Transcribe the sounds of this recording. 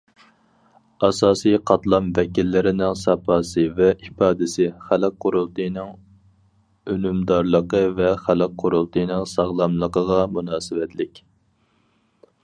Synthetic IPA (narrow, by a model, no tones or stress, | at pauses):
ɑsɑːsijqʰɑt̪lˠɑmvɛkʲilːɪɾɪnɪŋsɑpɑːsɨvɛipɑːd̪ɪsɪχælq̚ʰːʊɾulˠt̪ɨjnɨŋ | ølymd̪ɑɾlˠəqəvɛχælɪqqʰːʊɾulˠt̪ʰɨjnɪŋsɑʁlˠɑmlˠəqəʁɑmunɑːsɪvɛt̪ʰlɪkʲ